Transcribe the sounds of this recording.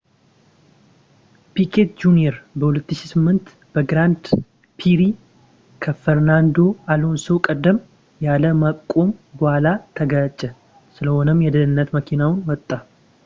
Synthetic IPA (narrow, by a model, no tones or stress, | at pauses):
pikʰet̪̚d͡ʒunieɾbəhulət̪ːɨʃisɨmːɨnt̪ | b̥əɡɾand̪ | pʰiɾi | kʰəfəɾnand̪o̞alo̞nsokʼəd̪ːəm | jaləmakʼːo̞mɡʊalat̪ʰəɡət͡ʃʼːɛ | sɨləhonəmjɛd̪ənɨnːət̪məkʰinawnwɔt̪ʼːa